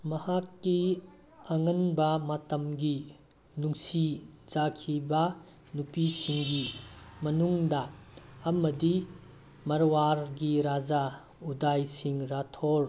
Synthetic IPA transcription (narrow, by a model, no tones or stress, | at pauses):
mɐhakːi | ɐŋɐnbɐmɐtɐmɡi | nuŋsid͡ʒakʰibɐ | nupisiŋɡimɐnuŋdɐː | mɐdi | mɐɾwaɾɡiɾad͡ʒa | udajsiŋɾatʰoɾ